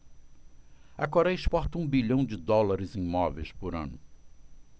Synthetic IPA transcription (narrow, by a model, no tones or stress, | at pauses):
ɐkoɾɛjɐispɔɾt̪ɐũbiʎɐ̃w̃d͡ʒɪd̪ɔlaɾɪzẽj̃mɔvḛjspʊɾɐ̰̃nʊ